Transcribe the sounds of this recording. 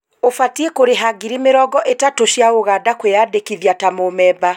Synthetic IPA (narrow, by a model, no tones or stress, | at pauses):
ofatiekoɾeɦaɡiɾimeɾɔːɡɔʔetatoɕjaoɣadakweaːdekiðjatamomɛːba